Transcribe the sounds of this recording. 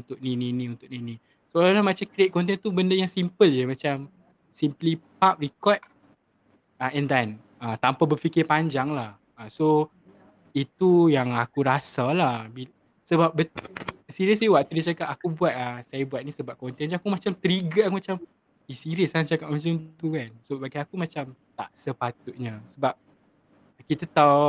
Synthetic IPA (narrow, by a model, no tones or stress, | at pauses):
unt̪ʊk̚nininĩunt̪ʊkʔ̚ninĩ | soalalamat͡ʃamkɾet̪̚kɔnt̪̬ɛnt̪ubəndəjaŋsimpəld͡ʒəmat͡ʃam | simplipap̚rikɔt̪̚ | aʔɛ̃nd̪an | at̪ampabəfikɪpaɲd͡ʒaŋlah | aso | it̪ujaŋakuɾasalahbi | səbap̚bəsiɾiəs̬liwaʔ̚t̪udit͡ʃakat̚akubuat̪̚asajabuat̪̚nisəbap̚kɔnt̪ɛnd͡ʒakumat͡ʃamt̪əɾiɡaakumat͡ʃam | isiɾiəsat͡ʃakaʔ̚mat͡ʃamt̪ukansobaɡajakumãt͡ʃamt̪a̰ʔsəpat̪ut̪̚ɲãsəbap̚ | kit̪at̪aw